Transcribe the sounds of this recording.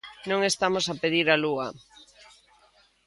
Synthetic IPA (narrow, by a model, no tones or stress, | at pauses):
nõŋest̪amosapeðiɾaluɐ